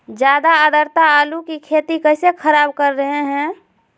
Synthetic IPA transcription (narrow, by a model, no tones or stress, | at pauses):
d͡ʒjaːd̪aəd̪əɾt̪aːlukikʰeːt̪ikəɪsekʰəɾaːbkəɾːəɦeɦɛ̃